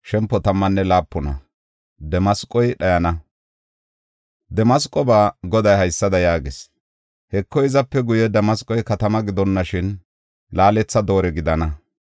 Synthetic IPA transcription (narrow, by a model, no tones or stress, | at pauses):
ʃɛmpːɔt̪ɐmːɐnːɛlaːpːʊnɐ̰ | d̪ɛmɐskʼɔjɗɐjɐnɐ | d̪ɛmɐs̬kʼːɔbaːɡɔd̪ɐjhɐjsːɐd̪ɐjaːɡɪs | hɛkːɔɪzɐpːɛɡʊjɛd̪ɛmɐskʼɔjkɐt̪ɐmɐɡɪd̪ɔnːɐʃɪn | laːlɛt͡sːɐd̪o̞ːɾɛɡɪd̪ɐnɐ